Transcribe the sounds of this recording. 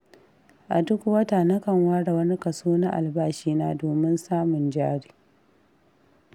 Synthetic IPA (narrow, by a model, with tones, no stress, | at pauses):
ʔa̰˨dʊ˦kʷu˨wɐ˦taː˨nɐ˦kɐ˨ŋwaː˦ɽa˨wɐ˦ni˦kɐ˨suː˦na˦ʔa̰˨lbaː˦ʃiː˦naː˦doː˨mɪ˦nsaː˦mʊ˨nd͡ʒaː˦ɽi̥ː˨